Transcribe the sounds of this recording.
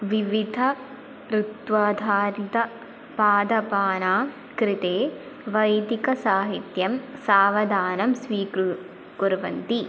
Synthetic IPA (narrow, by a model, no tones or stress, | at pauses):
ʋiʋid̪ʱɐ | ɾut̪ʋaːd̪ʱaːɾit̪ɐ | paːd̪ɐpaːnaː | kɾɪt̪eː | ʋɐjd̪ikɐsaːɦit̪jɐmsaːʋɐd̪ʱaːnɐmsʋiːkɾu | kuɾʋɐ̰nt̪i